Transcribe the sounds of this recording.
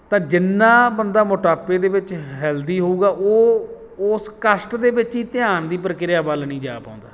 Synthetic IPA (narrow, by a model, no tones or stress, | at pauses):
t̪ãːd͡ʒɪnːãːbənd̪aːmoːʈaːpeːd̪eːʋɪt͡ʃɦɛːld̪iːɦoːuːɡaːʔoː | skəsʈd̪eːbɪt͡ʃiːt̪ɪjaːnd̪iːpəɾkɪɾɪjaːbəlnĩːd͡ʒaːpaːʊ̃nd̪a̰ː